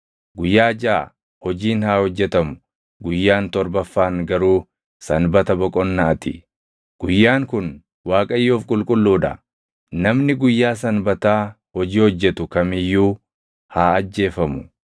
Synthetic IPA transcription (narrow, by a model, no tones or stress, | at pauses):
ɡʊjːaːd͡ʒaː | hɔd͡ʒiːnhaːhɔd͡ʒːɛt̪ɐmʊ̥ | ɡʊjːaːnt̪ɔɾbɐfːaːŋɡɐɾuː | sɐnbɐt̪ɐbɔkʼɔnːɐɐt̪ɪ̰ | ɡ̥ʊjːaːŋkʊn | waːkʼɐjːoːfkʼʊlkʼʊlːuːᶑ̪ɐ̰ | nɐmnɪɡʊjːaːs̬ɐnbɐt̪aː | hɔd͡ʒiːhɔd͡ʒːɛt̪ʊkɐmɪjːuː | haːɐd͡ʒːe̞ːfɐmʊ̥